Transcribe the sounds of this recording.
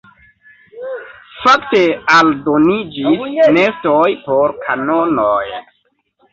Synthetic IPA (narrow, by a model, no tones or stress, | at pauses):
fak̚te̞aldonid͡ʒisnestojpoɾkʰanonoj